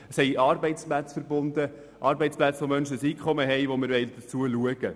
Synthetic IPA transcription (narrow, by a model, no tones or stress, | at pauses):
əshɛɪɑːɾbɛɪt͡splæt͡sfəɾbʊnd̪ə | ʔɑːɾbɛɪt͡splæt͡sʋomœnʃəsiːkʰχɔməɦɛjʋomɪɾʋɛld̥̪ət͡suəluəɡ̥ə